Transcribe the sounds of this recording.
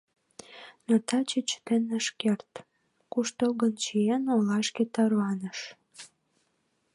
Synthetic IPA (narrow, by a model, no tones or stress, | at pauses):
not̪ɑt͡ɕet͡ɕt̪enəʃkert̪ | kuʃt̪olɣənt͡ɕienolɑʃket̪ɑrwɑnəʃ